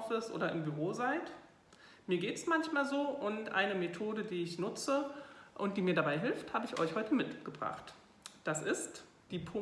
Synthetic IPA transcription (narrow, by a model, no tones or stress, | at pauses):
fɪsʔo̰ːɾɐʔɪmbyʁoːzaɪt | miːɐɡeːtɛ̥smançmaːlzoːʔʊntʔa̰ɪnəmetʰoːdədiːɪçnʊt͡səʔʊnt̚d̥iːmiːɐdabaɪɦɪlfthaːbəɪçʔɔ̰ʏçhɔʏtʰəmɪtɡ̥əbʁa̰χt | d̥asɪst | d̥iːpʰʊ